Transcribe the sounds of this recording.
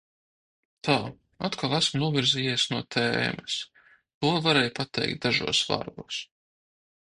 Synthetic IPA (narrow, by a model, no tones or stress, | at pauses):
t̪ʰaː | at̪kʰalˠæsmnuɔviɾzijiɛsnuɔt̪ʰɛ̰ːmɛs | t̪uɔvaɾɛːjpat̪ɛ̰jk̚t̪̚d̪aʒṵɔsva̰ɾɡuɔs